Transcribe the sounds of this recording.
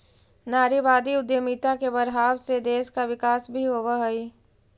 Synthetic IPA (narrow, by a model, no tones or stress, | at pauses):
naːɾibaːd̪iʊd̪jəmiːt̪akebɐɾɦaːwsed̪eːskaʋɪkaːsbʱiɦoːʋaɦɐi